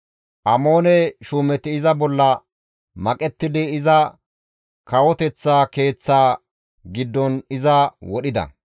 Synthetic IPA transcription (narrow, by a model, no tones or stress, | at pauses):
ʔɐmo̞ːnɛʃuːmɛt̪ɪɪzɐbɔlːɐ | mɐkʼɛt̪ːɪd̪ɪːzɐ | kɐwɔt̪ɛt͡sːaːke̞ːt͡sːaː | ɡɪd̪ːɔnɪzɐwɔɗɪd̪ɐ̰